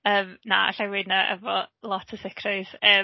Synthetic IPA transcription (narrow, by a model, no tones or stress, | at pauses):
əːmnaa̰ɬawɪdnaʔɛ̰vɔlˠɔtʰə̥sɪkʰrəjz̥ə